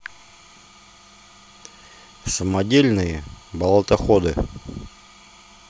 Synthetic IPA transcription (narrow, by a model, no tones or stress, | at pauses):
səmɐdʲelʲnɨjəbəlˠət̪ɐxod̪ɨ